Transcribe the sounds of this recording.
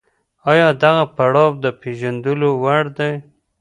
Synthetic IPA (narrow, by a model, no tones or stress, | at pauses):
ɑjɑd̪aɣapaɽɑb̚d̪əpeʒand̪əlowaɽd̪aj